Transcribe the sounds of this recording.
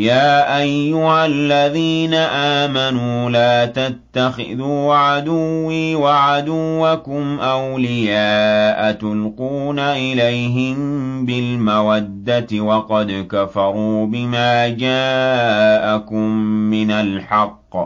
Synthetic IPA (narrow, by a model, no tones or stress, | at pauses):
jaːʔajːʊhallːaðiːnaʔaːmanuːlaːt̪at̪ːaxɪ̰ðuːʕad̪ʊwːiːwaʕad̪ʊwːakʊmʔawlɪjaːʔat̪ʊlquːnaʔɪlajɦɪmbɪlmawad̪ːat̪wɑqɑd̪kafɑɾˤuːbɪmaːd͡ʒaː | ʔakʊmːɪnalħɑqː